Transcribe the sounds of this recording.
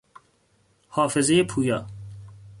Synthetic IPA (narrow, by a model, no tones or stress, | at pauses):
hɒːfe̞zejepʰuːjɒː